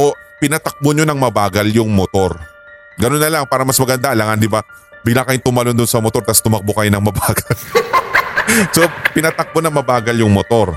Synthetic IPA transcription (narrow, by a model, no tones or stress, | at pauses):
ʔopɪnɐt̪ɐk̚boɲonɐŋmɐbaːɡɐljʊŋmot̪o̞ɾ | ɡɐno̞nːɐlaŋpaːɾɐmɐsmɐɡɐnd̪aʔɐlaŋand̪ɪba | bɪɡlaŋkɐjɪŋt̪ʊmɐlond̪ʊnsɐmot̪o̞ɾt̪ɐst̪ʊmɐk̚bokɐjonɐŋmɐbaːɡɐl | so̞pɪnɐt̪ɐk̚bonɐŋmɐbaːɡɐljʊŋmot̪o̞ɾ